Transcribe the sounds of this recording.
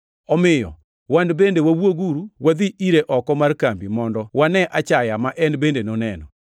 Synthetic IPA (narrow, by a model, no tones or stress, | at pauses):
ɔmɪjɔ̰ | wandbendewawwoɡuɾuwad̪iʔiɾeʔɔkɔmarkambimɔndɔwanɛʔat͡ʃajamaʔɛnbendenonɛnɔ̰